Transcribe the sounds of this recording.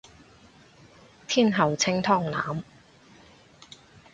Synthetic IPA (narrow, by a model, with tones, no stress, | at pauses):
t̪ʰiː˥˩nɦɐ˨˩wt͡sʰɪ˥ŋt̪ʰɔː˥˩ŋna̰ː˨˥m